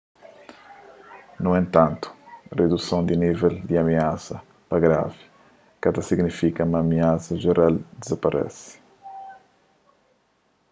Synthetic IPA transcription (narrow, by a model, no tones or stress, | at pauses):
nuẽnt̪ãnt̪u̥red̪usõnd̪inivɛld̪iamiasɐ | pɐɡɾa̰vi | kad̪ɐsiɡnifikɐumɐːmiasɐʒeɾald̪izapaɾʔɛ̰si̥